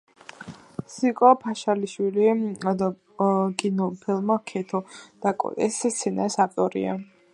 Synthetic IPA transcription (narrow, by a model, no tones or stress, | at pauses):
sikʼɔpʰaʃaliʃwilid̪a | ɡinɔpʰilˠmakʰɛt̪ʰɔd̪̥akʼɔ̰d̪ʼɛst̪sʰɛnaɾsaft̪ʼɔɾḭa̰